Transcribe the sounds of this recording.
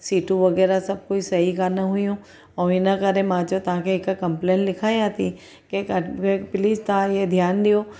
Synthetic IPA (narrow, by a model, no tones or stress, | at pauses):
siːʈũʋɐɣɛːɾasɐb̚koːisɐɦikanɐɦʊjũ | ɔ̃ɪnɐkɐɾemãːd͡ʒot̪ɐʋ̤ãkʰeɪkakɐ̃mplẽːnlɪkʰaːĩjãːt̪ʰi | keɐkepɪliːst̪ɐãed̪ʱjaːnɗijoː